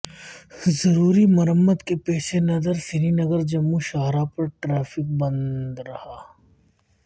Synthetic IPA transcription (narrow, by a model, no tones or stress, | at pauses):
zɐɾuːɾimɐɾəmːəd̪kepɛːʃʰenɐzəɾsɪɾinɐɡəɾd͡ʒɐmːuʃaːɦɾapɐɾʈɾaːfɪk̚bɐ̃nd̪ɾɐhaː